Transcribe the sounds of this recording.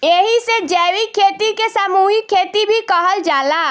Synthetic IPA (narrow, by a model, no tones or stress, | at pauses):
eɦised͡ʒɛːwikʰeːt̪ikesamuːɦikʰeːt̪ibʱikəɦəld͡ʒaːla